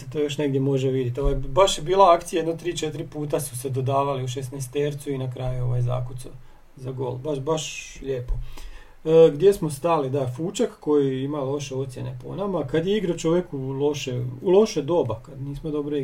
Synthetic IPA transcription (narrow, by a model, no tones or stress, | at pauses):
set̪ojo̞ʃneɡd̪ʲjemo̞ʒeʋid̪jet̪oʋajbaʃjebiːlˠaakt̪sijajed̪not̪ɾiːt͡ʃet̪ɾipuːt̪asu̥sed̪o̞d̪aːʋaliuʃ̬esnest̪eɾt̪suinakɾaːjuo̞ʋajza̰kut̪so̰ | zaɡo̞̰ːlbaʃbaʃʎe̞ːpo | ɡd̪je̞smo̞st̪alid̪afut͡ʃakkːo̞jiimalˠo̞ʃe̞o̞t̪sje̞̰ne̞̰po̰namakad̪jeiɡɾat͡ʃo̞ʋje̞kulo̞ʃeulo̞ʃed̪o̞ːbakad̪niːsmod̪o̞bɾo